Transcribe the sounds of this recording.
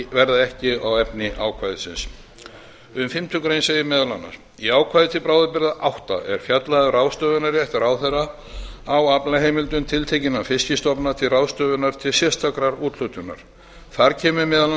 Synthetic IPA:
vɛɾðaɛhcɪawɛpnɪʔaːwkʰvaːjðɪsɪ̰ns | ʏmfɪm̥t̪ʰʏkɾejnsejɪmɛðalanːa̰ɾ̥ | iaːwkʰvajðɪt̪ʰɪlpɾaːwðapɪɾðaʔawht̪a̰ɛɾ̥fjat̪laðʏrawst̪œːvʏnaɾɛht̪ɪɾawθɛrːa | awapnlaɦejmɪlt̪ʏnt̪ʰɪlt̪ʰejcɪnːafɪscɪst̪ɔpnat̪ʰɪlrawst̪œːvʏnaɾ̥t̪ʰɪlsjɛst̪akɾaɾuːt̪lʏt̪ʏnːa̰ɾ̥ | θaɾcʰɛːmʏmɛðal

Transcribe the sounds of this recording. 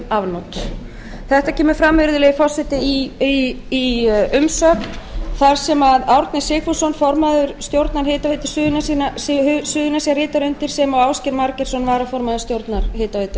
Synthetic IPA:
avnot̪ | θɛht̪acʰɛːmʏ̥fɾamvɪɾðʏlɛɣɪfɔl̥sɛt̪ɪiiiʏmsœːk̪θaɾ̥sɛmaðawɾt̪nɪ̥sɪːkfusɔnfɔɾmaðʏɾ̥st̪jowɾt̪naɾ̥hɪːt̪avet̪ɪ̥sʏːðʏnasiːnashsʏːðʏnasiaɾrɪːt̪aɾʏnt̪ɪɾ̥sɛmaɣawscɪɾmaɾcɛɾ̥sɔnvaːɾafɔɾmaðʏɾst̪jowɾt̪naɾ̥hɪːt̪avet̪ʏ̥

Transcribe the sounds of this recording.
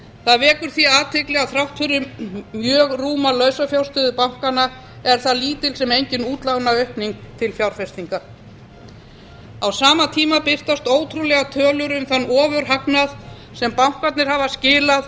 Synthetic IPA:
θaðvɛːkʏɾ̥θiaːt̪ʰɪklɛɣaθɾawht̪fʏɾʏmjœːɣruːmalœːɥsafjawɾ̥st̪ʏːðʏpawŋ̥kana | ɛɾ̥θaðliːt̪ɪlsɛmejɲcɪnuːt̪lawnaœhpniŋkt̪ʰɪlfjawɾ̥fɛst̪iŋka | awsaːmat̪ʰiːmapɪr̥t̪ast̪oːwt̪ʰɾulɛɣat̪ʰœːlʏɾʏmθanːɔːvʏɾ̥ɦaknað | sɛmpawŋ̥kat̪nɪɾ̥haːvascɪːlað

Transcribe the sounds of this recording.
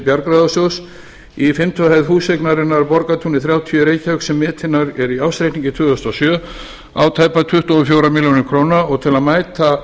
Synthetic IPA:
pjaɾkɾaðasjows | ifɪmt̪ʰyahajðɦuːsejknaɾɪnːaɾpɔɾkat̪ʰunɪθɾjaːwt̪ʰiœɾejcœksɛmːɛːt̪ʰɪnːaɾɛɾiawst̪ɾejht̪niɲcɪt̪ʰʏːɣðʏst̪ɔsjœː | aːwt̪ʰaːjpat̪ʰʏht̪ɔɔfjowɾamiljonɪɾkʰɾoːwnaɔɣt̪ʰɪlaðmaːjt̪a

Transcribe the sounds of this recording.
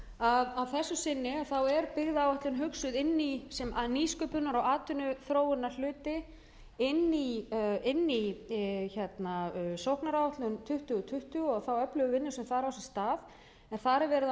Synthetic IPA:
aðawθɛsːʏsɪnːɪaθawɛɾpɪɣðaaːwaht̪lʏnɦʏksʏðɪnːisɛmniːskʏːpʏnːaɾawaːt̪ʏnʏθɾoːwʏnːal̥ʏːt̪ɪ | ɪnːiɪnːiçɛt̪nasowhknaɾawaht̪lʏnt̪ʰʏht̪ʏɣʏt̪ʰʏht̪ʏɣɔɣθawœplʏɣʏvɪnːɪsɛmθaɾawsɛ̥st̪aːð | ɛnθaɾɛɾvɛːɾɪð

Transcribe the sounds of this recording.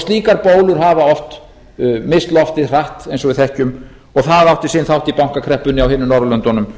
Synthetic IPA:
st̪liːkaɾpoːwlʏɾ̥ɦavaɔft̪ | mɪst̪lɔft̪ɪr̥aht̪ejnsɔvɪðθɛhcʏm | ɔɣθaðawht̪ɪsɪnθawht̪ipawŋ̥kakʰɾɛhpʏnɪawɦɪːnʏmnɔwɾlœnt̪ɔnʏm

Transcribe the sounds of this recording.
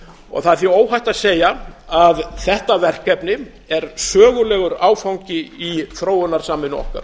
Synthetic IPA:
ɔ̰ɣθaðθioːwɦajt̪aðseːjaaðθɛht̪avɛr̥kɛpnɪ | ɛɾ̥sœːɣʏlɛːɣʏɾaːwfawɲcɪiθɾoːwʏnaɾ̥saːmɪnʏɔ̰hka̰ɾ̥

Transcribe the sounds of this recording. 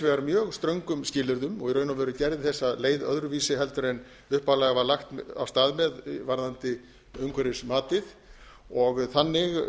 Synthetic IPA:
vɛɣaɾmjœːɣst̪ɾœŋkʏmscɪːlʏɾðʏmɔɣiɾœːɥnavɛːɾʏcɛɾðɪθɛsːaðleːjðœ̰ðɾʏviːsɪɦɛlt̪ʏɾejn | ʏhpalaɣavaɾlaxt̪a̰vst̪aːðmɛðvaɾðant̪ɪ | œŋkʰvɛɾɪsmaːt̪ɪð | ɔɣθanːɪɣ

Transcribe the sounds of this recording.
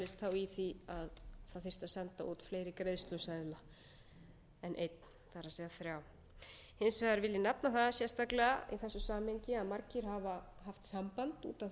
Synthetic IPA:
lɪst̪θawiθiaðθaðθɪr̥t̪asɛnt̪aʔuːt̪fleːjɾɪkɾeðst̪lʏsajðla | ɛnʔejt̪̚n | θaɾasɛːɣaθɾjaw | hɪnsvɛːðaɾvɪlːɪnapnaθaðsjɛst̪aklɛɣaiθɛsːʏsaːmheɲcɪaðmaɾcɪɾ̥ɦava | ɦaft̪sampant̪ṵːt̪a

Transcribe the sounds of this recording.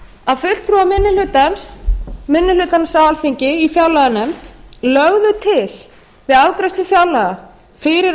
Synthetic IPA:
aðfʏl̥t̪ʰːɾuamɪnːɪlʏt̪ansmɪnːɪlʏt̪ansawalfiɲcɪifjawlaɣanɛmt̪lœɣðʏt̪ʰɪl | vɪðawkɾɛst̪lʏfjawlaɣa | fɪɾɪɾ

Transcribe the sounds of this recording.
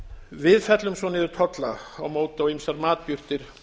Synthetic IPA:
vɪðfɛt̪lʏmsvɔnɪðʏɾt̪ʰɔt̪laawmoːwt̪ɪawimsaɾmaːt̪̚pjʏr̥t̪ɪɾ̥

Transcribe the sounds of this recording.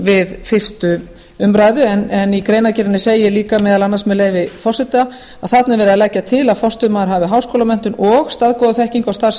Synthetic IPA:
vɪðfɪr̥st̪ʏ | ʏmɾaːjðʏɛnɛnikɾeːjnacɪɾɪnːɪsejɪjɛliːkamɛːðalanːasmɛðleːjvɪfɔsɪt̪a | a̰ðθat̪nɪɾvɛːɾɪðalɛcːat̪ʰɪlaðfɔst̪ʏmaðɾɦaːvɪɦawskoːwlamɛn̥t̪ʏnɔɣst̪aðkɔðʏθɛhciŋkawst̪as

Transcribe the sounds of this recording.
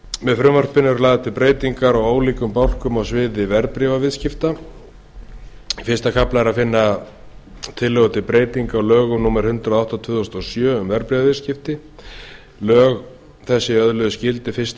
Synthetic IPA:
mɛðfɾʏmvœr̥pɪnːʏɾlaːðat̪ʰɪlpɾeːjt̪iŋkaɾawaːwliːkʏmpawl̥kʏmawsvɪːðɪvɛɾpɾivavɪðscɪft̪a | fɪ̥st̪akʰaplaɛɾaðfɪnːa | t̪ʰɪlːɛɣʏt̪ʰɪlpɾeːjt̪iŋkaːwlœːɣʏmnuːmaɾ̥hʏnt̪ɾaðawht̪at̪ʰvʏːðɔst̪ɔsjœːʏmvɛɾpɾivavɪðscɪft̪ɪ | lœːɣ | θɛsːɪœðlœðʏscɪlt̪ɪfɪst̪

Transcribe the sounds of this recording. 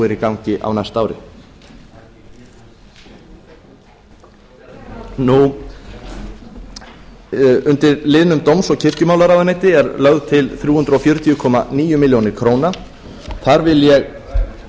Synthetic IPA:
ɪɾikawɲcɪʔa̰wnajst̪aːwɾɪ̰ | nu | ʏnt̪ɪɾlɪðnʏmt̪owmsɔɣcʰɪr̥cʏmaːwlaɾaðanejt̪ɪɛɾlœɣðʏt̪ʰɪlθɾjuːhʏnt̪ɾɔfjœɾʏt̪ʰijʏkʰɔːmaniːjʏmɪljownɪɾ̥kʰɾoːwna | θaɾvɪðljɛɣ

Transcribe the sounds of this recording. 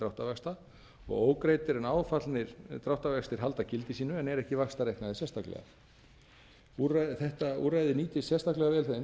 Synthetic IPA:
t̪ɾawht̪avɛkst̪a | ɔ̰ɣoːwkɾeːjt̪ɪɾɛnaːwfat̪lnɪɾ̥t̪ɾawht̪avɛkst̪ɪɾ̥ɦalt̪acɪlt̪ɪsiːnʏɛnɛɾɛhcɪvakst̪aɾejhknaðɪsjɛst̪ʰaklɛ̰ɣa̰ | uraθɛht̪aṵːrajðɪniːt̪ɪ̥sjɛst̪ʰaklɛɣavɛːlθen

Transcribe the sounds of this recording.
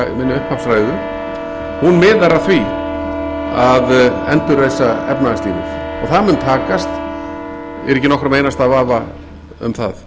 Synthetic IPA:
mɪnːʏʏhphapsfɾaːjðʏ | hunmɪːðaɾaθvi | aðɛnt̪ʏɾðejsːaɛ̰pnaast̪iːnɪ̰ɾ̥ɔ̰ɣθaðmʏnt̪ʰaːkast̪ | ɛɾɛhcɪnɔhkɾamejnast̪aðvaːva | ʏ̰mθa̰ð

